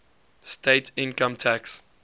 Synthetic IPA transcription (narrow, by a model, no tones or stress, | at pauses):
steɪtʰɪ̃nkə̃mtʰæks